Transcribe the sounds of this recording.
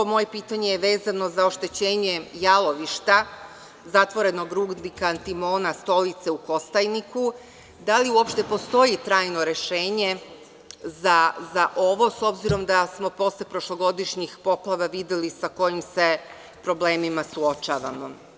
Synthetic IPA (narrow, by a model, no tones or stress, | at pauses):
omo̞jepiːt̪aɲejeʋe̞ːzano̞zao̞ʃt̪e̞t͡ɕe̞ːɲe̞jalˠo̞ʋiʃt̪a | zat̪ʋo̞ɾe̞no̞ɡɾuːɡnikaːnt̪imo̞ːnast̪o̞lit̪se̞uko̞st̪ajniku | d̪aliuo̞pʃt̪e̞po̞st̪o̞jit̪ɾaːjno̞ɾe̞ʃe̞ːɲe̞ | zazaʔo̞ʋo̞so̞bziɾo̞md̪asmo̞po̞slepɾo̞ʃlˠo̞ɡo̞d̪iʃɲixpo̞plˠaʋaʋid̪jelisako̞jimse̞ | pɾo̞ble̞ːmimasuo̞t͡ʃaːʋa̰mo̞